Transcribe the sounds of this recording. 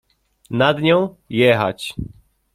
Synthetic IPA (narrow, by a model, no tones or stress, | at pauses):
nad̪ɲɔ̃w̃ | jɛxa̰t͡ɕ